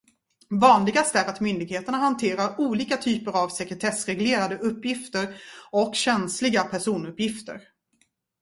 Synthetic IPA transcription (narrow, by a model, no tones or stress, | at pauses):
vɑːnlɪɡast̪æɾat̪mʏnd̪ɪɡheːt̪əɳaɦant̪ʰeːɾaɾuːliːkat̪ʰyːpəɾavsɛkɾət̪ʰɛsɾɛɡleːɾad̪əʔɵpːjɪft̪əɾɔkːɕɛnslɪɡapʰæʂuːnɵpːjɪft̪ə̰ɾ